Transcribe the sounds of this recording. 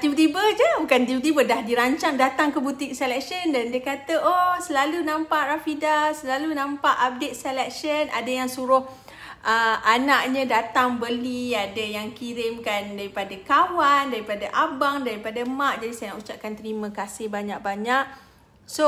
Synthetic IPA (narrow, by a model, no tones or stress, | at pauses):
t̪ibət̪ibəd͡ʒəbukant̪iwt̪̬ibədahdiɾaɲt͡ʃaŋdat̪aŋkəbut̪ɪk̚sɛlɛk̚ʃəndandiəkat̪əʔosəlalunãmpaʔrafidasəlalunãmpaʔap̚det̪̚sɛlɛk̚ʃənʔa̰dajaŋsuɾʊh | ʔəanaʔɲə̃dat̪aŋbəliadajaŋkiɾɪmkandaɾipadakawandaɾipadaʔabaŋdaɾipadamaʔd͡ʒadisajnaʔut͡ʃaʔ̚kant̪əɾimə̃kasɪhbaɲak̚baɲaʔ̚ | so